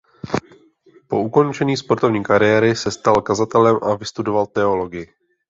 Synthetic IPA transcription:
po̞uko̞nt͡ʃɛɲiːspo̞ɾt̪o̞vɲiːkaɾɪjɛɾɪsɛst̪alkazat̪ɛlɛmʔavɪst̪udo̞valt̪ɛo̞lo̞ɡɪjɪ

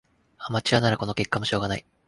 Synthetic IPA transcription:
amat͡ɕiɾanaɾako̞no̞kʲe̞kːamo̞ɕo̞ːɡanai

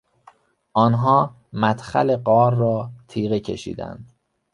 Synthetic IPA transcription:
ʔɒːnɦɒː | mæt̪xæ̰le̞ɢɒːɾːɒːt̪ʰiːɣecʰe̞̰ʃḭːd̪æ̰nd̪̥

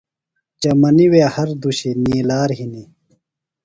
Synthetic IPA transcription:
t͡ɕɐmɐniwehɐɾd̪uɕeniːlaːɾɦini

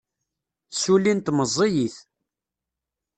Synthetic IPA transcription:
sulint̪məzˤːejiθ

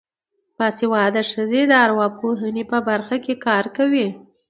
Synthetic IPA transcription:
pɑsewɑd̪əʂəzed̪əaɾwɑb̚koɦanepəbaɾxakekɑɾkawi

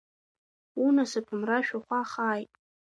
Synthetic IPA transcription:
unasɨpʰɨmraʃᶣaχʷaχaːjtʼ

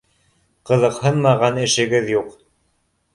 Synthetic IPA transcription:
qɤ̆ðɤ̆qhɤnmɑʁɑnɘ̆ʃɘ̆ɡɘðjuq

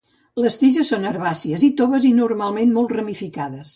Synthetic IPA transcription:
ləst̪iʒəsːonəɾβasiəzit̪oβəzinuɾmalˠmenmɔlˠt̪rəmifikaðəs

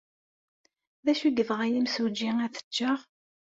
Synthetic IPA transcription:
ðæʃuɡəvʁæjimsud͡ʒiŋæθə̥t͡ʃːəʁ

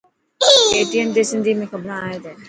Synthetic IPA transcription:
eːʈiənd̪esɪ̃nd̪ʱimẽxɐbɾãaːɦed̪ẽː

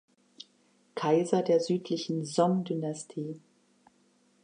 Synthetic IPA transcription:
kʰaɪzɐdeːɐzyːtʰlɪçn̩zɔmdynastʰiː

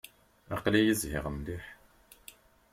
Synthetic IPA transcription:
ɑqlijəzhɪ̰ʁənd̪iħ

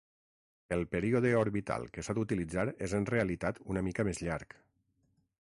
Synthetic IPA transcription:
elˠpeɾioðəoɾβit̪a̰lˠkəsad̪ut̪ilid͡zaɾezənreəlit̪at̪unəmikəmezʎaɾk

